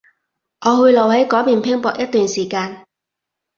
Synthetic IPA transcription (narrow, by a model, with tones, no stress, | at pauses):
ŋɔː˨˧hɵ˧ɥlo˨whɐ˨˥jkɔː˨˥jpiː˨npʰɪ˥ŋpɔː˨k̚jɐ˥t̪̚yː˨nsiː˨˩kaː˧n